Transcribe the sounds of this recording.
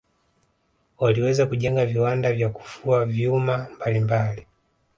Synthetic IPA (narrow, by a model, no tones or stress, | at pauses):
waliwɛzakuʄɛŋɡaviwandavjaku̥fuavjumambalimbali